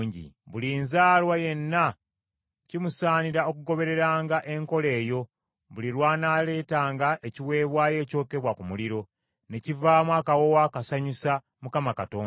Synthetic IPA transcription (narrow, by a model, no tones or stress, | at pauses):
ɲɟḭβuliːnzaːlwaje̞nːa | cimusaːniɾao̞kuɡo̞βe̞ɾe̞ɾaːŋɡaʔe̞ŋko̞le̞ːjo̞ | βuliɾwaːnaːle̞ːtaːŋɡaʔe̞ciwe̞ːβwaːje̞ːco̞ːke̞βwakumuliɾo̞ | ne̞civaːmwaːkawo̞waːkasaɲusa | mukamakatoː